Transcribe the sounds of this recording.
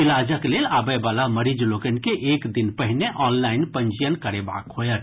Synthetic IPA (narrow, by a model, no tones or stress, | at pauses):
ilad͡ʒəklelabəjbalaməɾid͡ʒlokənkeʔekd̪inpəɦineʔɔnlainpəɲd͡ʒijənkəɾeba̰kɦojət̪